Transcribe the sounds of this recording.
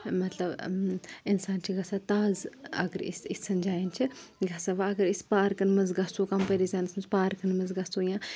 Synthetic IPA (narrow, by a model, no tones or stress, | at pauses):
mɐt̪lɐb | ɪnsaːnt͡ʃʰiɡɐsaːt̪aːzɐ̰ɡəɾḭsisːɐnʲd͡ʒaːjint͡ʃʰiɡʱɐsaʋaɐɡəɾispaːɾkɐnmɐzɡɐsokɐmpəɾizaːnismɐzpaːɾkɐnmɐzɡɐsoːjãː